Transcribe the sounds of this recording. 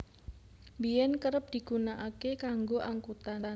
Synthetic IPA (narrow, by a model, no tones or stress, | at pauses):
mbijɛnkəɾəp̚d̪̥i̤ɡ̥unaʔakekaŋɡoʔaŋkut̪a